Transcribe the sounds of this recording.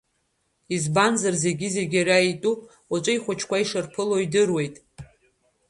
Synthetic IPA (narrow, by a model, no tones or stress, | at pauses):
izbanzarze̞ɡʲize̞ɡʲaraitʼupʼ | wat͡ʃʷʼɨiχʷʊt͡ʃʰkʷaiʂɨrpʰɨloidɨrwe̞jtʼ